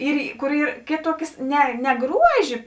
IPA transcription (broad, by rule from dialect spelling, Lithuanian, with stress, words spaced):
ˈiːr kʊr ˈiːr ˈkʲeːˌtuɔkʲeːs ˈnʲɛ nʲɛ ˈɡruɔʒʲeː